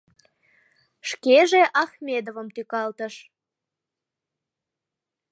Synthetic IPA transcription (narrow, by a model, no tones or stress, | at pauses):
ʃkeʒeʔɑxmʲed̪ovəmt̪ykɑlt̪əʃ